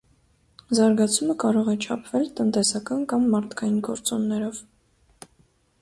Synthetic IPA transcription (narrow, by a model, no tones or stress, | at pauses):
zɑɾɡɑt͡sʰuməkɑɾɔʁɛt͡ʃʰɑpʰvɛlt̪ənt̪ɛsɑkɑnkɑmːɑɾt̪ʰkɑjinɡɔ̰ɾt͡sɔnːɛɾɔv